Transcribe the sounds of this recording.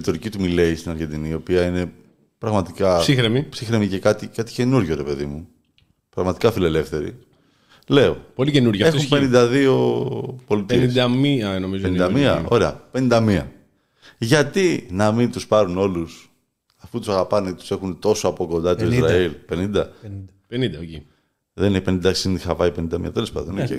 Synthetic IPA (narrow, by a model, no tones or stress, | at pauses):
it̪o̞ɾicit̪umile̞ist̪inɐɾʝe̞nd̪inio̞piɐine̞ | pɾɐɣmɐt̪ikɐsixɾemipsixɾemice̞kɐt̪ikɐt̪i̥ce̞nuɾʝoɾe̞pe̞ðimu | pɾɐɣmɐt̪ikɐfile̞le̞fθe̞ɾḭ | le̞o̞̰policenuɾʝɐe̞xumpenind̪ɐðio̞po̞lit̪ieisɐmiɐnomizoenind̪ɐmiɐ̰o̞̰ɾeɐ̰pe̞nind̪ɐmiɐ̰ | ʝɐt̪inɐmint̪uspɐɾuno̞lus | ɐfut̪usɐɣɐpɐnet̪u̥se̞xunt̪o̞soɐpo̞ko̞nd̪ɐt̪oizzɾɐilpe̞nind̪ɐ | nid̪i | ðenineçpenĩnd̪ɐsind̪ixɐvɐipe̞nind̪ɐmḭɐ̰t̪e̞le̞spɐ̰nd̪one